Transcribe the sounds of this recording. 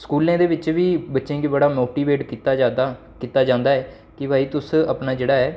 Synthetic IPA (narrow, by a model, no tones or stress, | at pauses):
skuːlãːd̪eːʋɪt͡ʃʋiːbətːʃẽːɡibəɽaːmoːʈiːʋeːʈkit̪aːaːd̪a | kiːt̪aːd͡ʒãːnd̪aːɛː | kɪbʱaːiːt̪ʊsəpnaːd͡ʒeːɽaːɛː